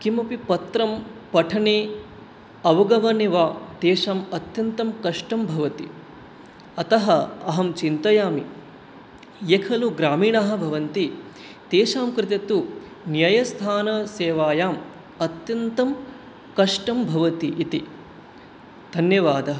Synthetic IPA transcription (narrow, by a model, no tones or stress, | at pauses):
kimɐpipɐt̪ɾɐmpɐʈʰɐneː | ɐʋɐɡɐʋɐniʋaːt̪eːʃaːmɐt̪jɐnt̪ɐmkɐʂʈɐmbʱɐʋɐt̪i | ɐt̪ɐɦɐɐɦɐmt͡ʃint̪ɐjaːmi | jekʰɐluɡɾaːmiːɳaɦɐ̆bʱɐʋɐnt̪i | t̪eːʃaːmkɾɪt̪ɐt̪u | njɐjɐst̪ʰaːnɐseːʋaːjaːm | ɐt̪jɐnt̪ɐm | kɐʂʈɐmbʱɐʋɐt̪iʔːt̪i | d̪ʱɐnjɐʋaːd̪ɐɦɐ